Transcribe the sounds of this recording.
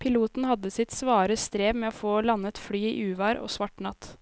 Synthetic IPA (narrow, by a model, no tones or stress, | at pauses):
pʰɪluːt̪n̩hɑd̪əsɪt̪sʋɑːɾəst̪ɾeːʋmeːoːfoːlɑnət̪fɽyːḭːʔʉːʋɑːɾo̰ːsʋɑʈnɑt̪